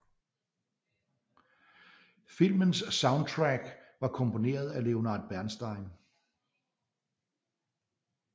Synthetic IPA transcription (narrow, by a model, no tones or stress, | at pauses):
fil̰mənsːɑ̈ʊnd̚t͡sʰʁæɡ̥ʋɑ̈kʰɔ̽mpo̝ne̝̰ːɐð̞ˠæle̝o̝nɑ̈ːd̥̚ˠb̥æɐnsd̥ɑ̈ɪ̰n